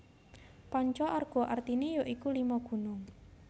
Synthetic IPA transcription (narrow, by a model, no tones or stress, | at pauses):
pɔɲt͡ʃɔʔarɡ̥ɔ̤ʔart̪inijoʔikulimɔɡ̥ṳnʊŋ